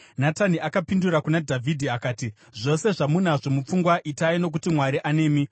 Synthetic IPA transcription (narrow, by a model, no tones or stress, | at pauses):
nataniʔakapinduɾakunadʱavʱidʱiakaːti | ʐo̞se̞ʐamun̤aʐo̞mup͡fuŋɡwaʔitaino̞k̬utimwaɾiʔane̞ːmi